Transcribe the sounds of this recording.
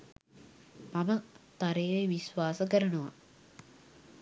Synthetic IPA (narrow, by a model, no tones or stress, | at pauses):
mamət̪aɾeːʋeʋisʋaːsəkəɾənuʋa̰